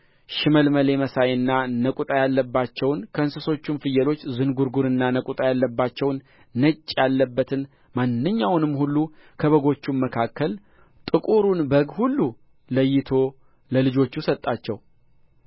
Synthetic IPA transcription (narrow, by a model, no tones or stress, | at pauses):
ʃɪməlməle̞məsajɨnːanəkʼut̪ʼajalːəbːat͡ʃːɛwnkʰəɨnsɨso̞t͡ʃːunfɨjːəlo̞t͡ʃːzɨnɡuɾɡuɾɨnːanəkʼut̪ʼajalːəbːat͡ʃːɛwnː | ət͡ʃʼːjalːəbːət̪ʰɨn | manːɨɲːawnɨmːhulːukʰəβəɡo̞t͡ʃːumməkʰakːəl | t̪ʼɨkʼuɾunbəɡhulːu | ləjːɪt̪ʰo̞ | ləlɨd͡ʒo̞t͡ʃːusət̪ʼːat͡ʃːɛw